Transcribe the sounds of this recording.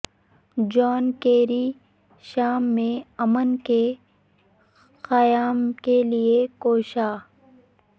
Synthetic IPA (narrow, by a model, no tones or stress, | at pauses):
d͡ʒɔːnkeːɾi | ʃaːmːẽɐmənke | xɐjaːmkeliekoːʃaː